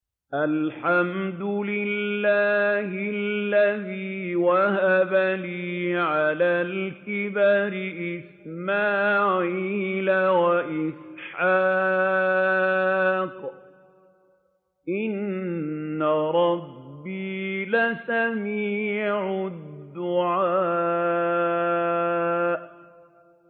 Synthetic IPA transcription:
ʔalħamd̪ʊlɪlːaːhɪlːaðiːwahabaliːʕalaːlkɪbaɾɪʔɪs | maːʕiːlawaʔɪsħaː | q | ʔɪnː | aɾˤɑbːiːlasamiːʕʊdd̪ːʊʕaː | ʔ

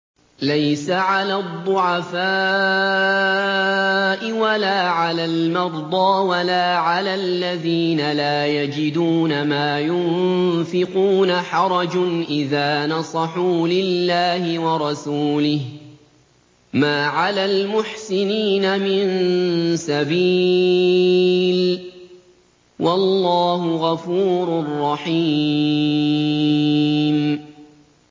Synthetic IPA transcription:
lajsaʕalaːd̪ˤːʊʕafaː | ʔɪwalaːʕalaːlmɑɾˤd̪ˤɑːwalaːʕalaːlːaðiːnalaːjad͡ʒɪd̪uːnamaːjʊnfɪquːnaħɑɾˤɑd͡ʒʊnʔɪðaːnɑsˤɑħuːlɪlːaːhɪwɑɾˤɑsuːlɪh | maːʕalalmʊħsɪniːnamɪnsabiː | l | wʔɑlːɑːhʊɣɑfuːɾʊrˤːɑħiː | m

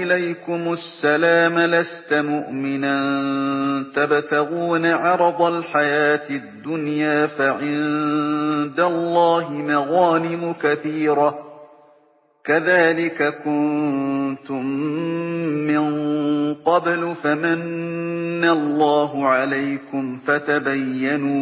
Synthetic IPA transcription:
ʔɪlajkʊmʊsːalaːmalast̪amʊʔmɪnan | t̪abt̪aɣuːnaʕɑɾˤɑd̪ˤɑlħajaːt̪ɪd̪ːʊnjaːfaʕɪn | d̪alˤːɑːɦɪmɑɣɑːnɪmʊkaθiːɾa | kaðaːlɪkakʊnt̪ʊmː | ɪnqɑblfamanː | alˤːɑːɦʊʕalajkʊmfat̪abajːanuː

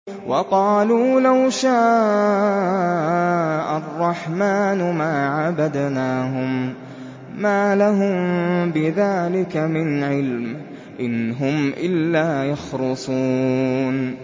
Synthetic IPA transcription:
wʔɑqɑːluːlawʃaːʔ | ʔarˤːɑħmaːnʊmaːʕabad̪naːɦʊmː | aːlaɦʊmbɪðaːlɪkamɪnʕɪlm | ʔɪnɦʊmʔɪlːaːjɑxɾʊsˤuːn

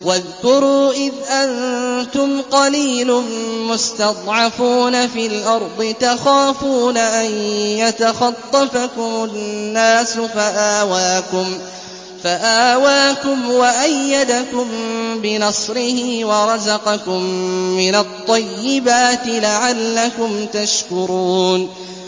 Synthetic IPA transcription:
waðkʊɾuːʔɪðʔant̪ʊmqɑliːlʊmʊst̪ɑt̪ˤʕɑfuːnafiːlʔɑɾˤd̪ˤɨt̪axaːfuːnaʔanjat̪axɑt̪ˤːɑfakʊmʊnːaːsʊfaʔaːwaːkʊm | faʔaːwaːkʊmwaʔajːad̪akʊmbɪnɑsˤɾɪhɪwɑɾˤɑzɑqɑkʊmːɪnat̪ˤːɑjːɪbaːt̪ɪlaʕalːakʊmt̪aʃkʊɾuːn

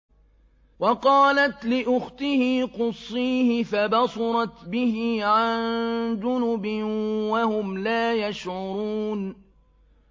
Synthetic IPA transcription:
wɑqɑːlat̪lɪʔʊxt̪ɪhiːqʊsˤːiːhɪfabɑsɑɾˤɑt̪bɪhɪːʕand̪ʊnʊbɪwahʊmlaːjaʃʕʊɾuːn

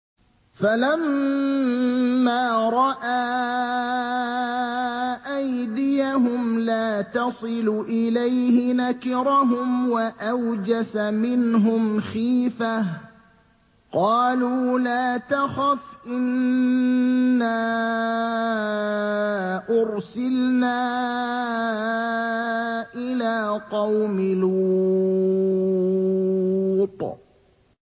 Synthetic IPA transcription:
falam | aːɾˤɑʔaː | ʔajd̪ɪjaɦʊmlaːt̪ɑsˤɨluʔɪlajhɪnakɪɾaɦʊmwaʔawd͡ʒasamɪnɦʊmxiːfah | qɑːluːlaːt̪axafʔɪn | aː | ʔʊɾsɪlnaː | ʔɪlaːqɑwmɪlu | t̪ˤ

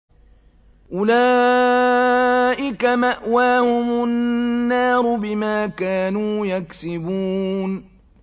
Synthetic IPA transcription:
ʔʊlaː | ʔɪkamaʔwaːhʊmʊnːɑːɾʊbɪmaːkaːnuːjaksɪbuːn

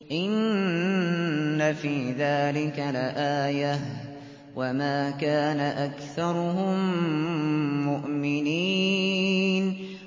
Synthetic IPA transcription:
ʔɪn | afiːðaːlɪkalaʔaːja | wʔamaːkaːnaʔakθɑɾˤʊɦʊm | ʊʔmɪniː | n

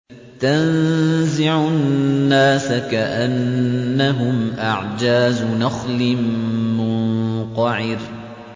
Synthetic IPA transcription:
t̪anzɪʕʊnnnːaːsakaʔanːaɦʊmʔaʕd͡ʒaːznɑxlɪmʊnqɑʕɪɾ

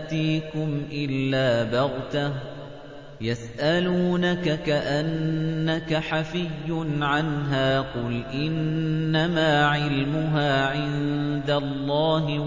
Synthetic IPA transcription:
t̪iːkʊmʔɪlːaːbɑɣt̪a | jasʔaluːnakakaʔanːakaħafɪjːʊnʕanɦaːqʊlʔɪnːamaːʕɪlmʊɦaːʕɪnd̪alˤːɑːɦɪ

